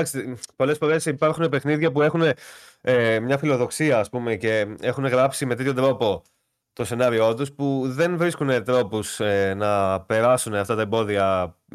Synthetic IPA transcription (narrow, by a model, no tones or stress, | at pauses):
ɐkst̪po̞le̞sfo̞ɾe̞sipɐɾxune̞pe̞xniðʝɐpue̞xune̞ | emɲɐfilo̞ðo̞ksiɐːspume̞ce̞e̞xune̞ɣɾɐpsime̞t̪et̪ço̞d̪ɾo̞po̞ | t̪o̞se̞nɐɾio̞t̪uspuðe̞nvɾiskune̞t̪ɾo̞pusenɐpe̞ɾɐsuneɐft̪ɐt̪ɐembo̞ðiɐ